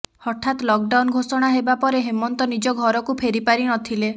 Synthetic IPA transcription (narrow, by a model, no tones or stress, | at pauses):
hɔʈʰat̪lɔk̚ɖawnɡʱosɔɽ̃aɦebapɔɾeɦemɔnt̪ɔnid͡ʒɔɡʱɔɾɔkupʰeɾipaɾinɔt̪ʰile